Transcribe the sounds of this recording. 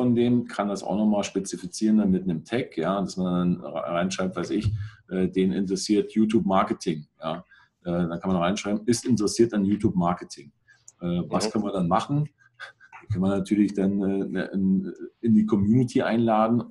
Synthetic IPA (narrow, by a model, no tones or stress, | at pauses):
fɔndeːmkʰandasʔa̰ʊxnɔχmaːlʃpet͡sifit͡siːʁəndanmɪtnəmtʰɛkjaːd̥asmandanʁaɪnʃʁ̥aɪp̚tv̥aɪsɪçʔɛːdeːnɪ̰ntəʁɛsiːɐtʰjuːtʰjuːpmaɐkətʰɪŋjaː | ʔɛːdankʰanmanʁaɪnʃʁ̥aɪbm̩ɪstʔɪntəʁɛsiːɐtanjuːtʰjuːpmaɐkətʰɪŋ | ʔɛːvaskʰœnmɐdanmaχn̩ | kʰɛnmɐnːatʰyːɐlɪçd̥anʔɛːʔɪnɪndiːkʰɔmjuːnɪtʰiʔa̰ɪnlaːdn̩